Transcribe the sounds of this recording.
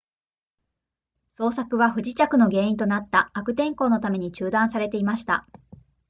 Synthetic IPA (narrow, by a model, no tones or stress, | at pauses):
so̞ːsakɯ̟βaɸɯ̟ʑit͡ɕakɯ̟no̞ɡe̞ːĩnt̪o̞nat̪ːaːkɯ̟t̪ẽ̞ŋko̞ːno̞t̪ame̞ɲ̟it͡ɕɨːd̪ãɰ̃saɾe̞t̪e̞imaɕi̥t̪a̰